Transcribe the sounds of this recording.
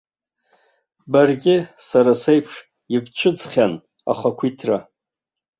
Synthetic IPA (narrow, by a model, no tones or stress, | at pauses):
barɡʲɪsaɾasejpʰʂ | ɪbt͡ʃʷʰʊd͡zχʲan | a̰χakʷʰitʰra